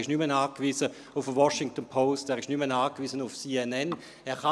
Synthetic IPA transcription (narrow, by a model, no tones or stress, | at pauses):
ɪʃnymənaːkʋiːzə | ʊfəwɔʃɪŋk̚tənpʰoʊstɛːʁɪʃnymənaːkʋiːzənʊfsiːɛnɛn | ɛːʁχa